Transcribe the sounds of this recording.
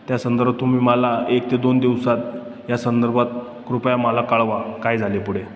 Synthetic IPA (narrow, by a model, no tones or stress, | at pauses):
t̪jasənd̪əɾbat̪ːum̤iːməlaek̚t̪ed̪ond̪iʋsat̪̚ | jasənd̪əɾbʱat̪̚ | kɾupjaməlakaɭʋakajd͡zʱalepuɽe